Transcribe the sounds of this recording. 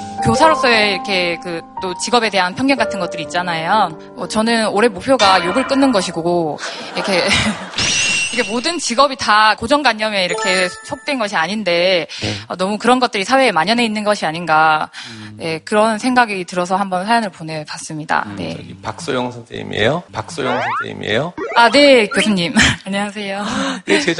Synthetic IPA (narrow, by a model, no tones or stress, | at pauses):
kjosʰaɾos͈ʌeiɾʌkʰe̞kɯt͈ot͡ɕiɡʌbe̞de̞ɦanpʰjʌŋɡjʌŋɡatʰɯnɡʌt͈ɯɾiːt̚t͡ɕ͈anajo | ʌt͡ɕʌnɯnoɾe̞mopʰjoɡajoɡɯɭk͈ɯnːɯnɡʌɕʰiɡooiɾʌkʰe̞ | ikʰemodɯnt͡ɕiɡʌbitakod͡ʑʌŋɡwaɲːʌme̞iɾʌkʰe̞sʰok̚t͈we̞nɡʌɕʰiaɲinde̞ʌnʌmukɯɾʌnɡʌt̚t͈ɯɾisʰawe̞ːmaɲʌne̞inːɯnɡʌɕʰiaɲinɡa | ne̞kɯɾʌnsʰe̞ŋɡaɡitɯɾʌs̬ʰʌhambʌnsʰajʌŋɯɭponepas͈ɯmɲida̰ne̞̰ipak̚s͈ojoŋsʰʌntʰeḭmiḛjopak̚s͈ojoŋsʰʌntʰḛḭmiḛjoane̞kjosʰuɲimaɲʌas̬ʰe̞joet͡ɕe